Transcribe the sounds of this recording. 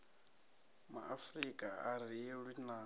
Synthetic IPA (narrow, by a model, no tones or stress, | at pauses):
ma̰ʔafrikʼaar̤iɛɺinaː